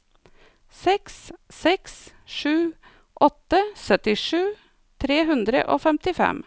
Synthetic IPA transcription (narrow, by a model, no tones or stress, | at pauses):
sɛkssɛks | ʂʉː | ʔɔt̪ːəsœt̪ɪʂʉː | t̪ʰɾeːɦʉnd̪ɾə̰ʔoːfɛmt̪ɪfɛ̰m